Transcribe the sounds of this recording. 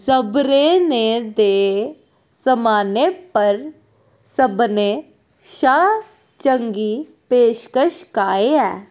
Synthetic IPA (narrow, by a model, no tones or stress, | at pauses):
səbɾeːneːd̪eː | səmaːneːpəɾ | səbneː | ʃaː | t͡ʃəŋɡiː | peːʃkəʃkaːeːɛː